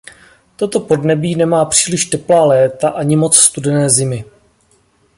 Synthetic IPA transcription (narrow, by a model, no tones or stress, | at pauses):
t̪o̞t̪o̞po̞dnɛbiːnɛmaːpr̝̥iːlɪʃt̪ɛplaːlɛːt̪aʔaɲɪmo̞t͡sst̪udɛnɛːzɪmɪ